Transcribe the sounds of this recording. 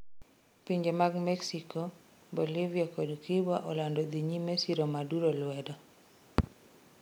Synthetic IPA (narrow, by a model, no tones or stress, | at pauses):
piɲd͡ʒemaɡmɛksikɔ | boliviakɔdkibaʔɔlandɔd̪iɲimesiɾɔmaduɾolwɛdɔ